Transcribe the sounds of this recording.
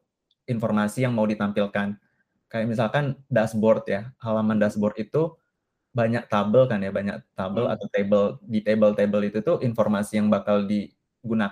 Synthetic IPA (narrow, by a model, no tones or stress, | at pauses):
informasijaŋmaudit̪ampilkan | kajaʔmisalkandasbɔrt̪jahalamandasbɔrt̪it̪u | baɲak̚t̪abəlkanjabaɲak̚t̪abəla̰t̪awt̪ebəldit̪ebəlt̪ebəlit̪ut̪uʔinformasijaŋbakaldi | ɡuna